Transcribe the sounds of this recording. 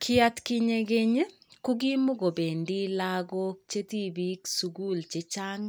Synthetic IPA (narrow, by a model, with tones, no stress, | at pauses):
kʰɪ˦a˦t̪kɪ˦ɲe˧ɡe˦ɲ˦ | ku˦ɡi˦mo˦ɡo˨be˨ndi˦laɡo˦k̚t͡ʃe˦t̪i˦bi˦ksu˨ɡu˦lt͡ʃe˦t͡ʃa˦ŋ